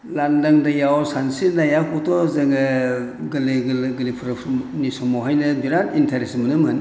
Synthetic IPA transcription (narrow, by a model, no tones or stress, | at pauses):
landaŋdajawsansinajakʰɔtɔzɐŋɯɡɯliɡɡɯlipʰɾɯpʰɾnisɔmɔɦajnɯbiɾanintʰaɾesmɐnɯmɯn